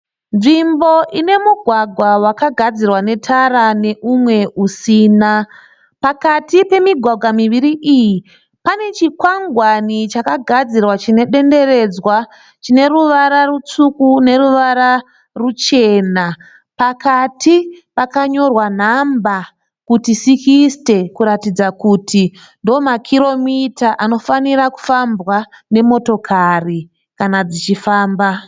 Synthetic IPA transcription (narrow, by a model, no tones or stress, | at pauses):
nʐimbo̞ʔine̞muɡʱwaɡʱwawakaɡʱad͡zirwane̞tʰaɾane̞ʔumwe̞usiːna | pakatipe̞miɡʱwaɡʱwamiʋiɾiʔiji | pane̞t͡ʃikwaŋɡʱwanit͡ʃakaɡʱad͡zirwat͡ʃine̞ɗe̞nde̞re̞d͡zwa | t͡ʃine̞ruʋaɾarut͡sukune̞ɾuʋaɾa | rut͡ʃe̞na | pakatʰipakaɲo̞rwan̤amba | kutisikiste̞kuɾatid͡zakuti | ndoːmakʰiɾo̞mitaʔano̞faniɾaku̥fambwane̞mo̞to̞kʰari | kanad͡zit͡ʃifaːmba